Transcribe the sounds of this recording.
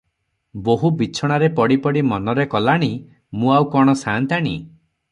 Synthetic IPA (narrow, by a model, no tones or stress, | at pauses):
boɦubit͡ʃʰɔɽ̃aɾepɔɽipɔɽimɔnɔɾekɔlaɽ̃i | mũawkɔɽ̃ɔsãnt̪aɽ̃i